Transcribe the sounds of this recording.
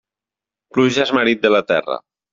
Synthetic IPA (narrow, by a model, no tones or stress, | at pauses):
pluʒaezməɾit̪̚d̪əlat̪ɛ̰rə̰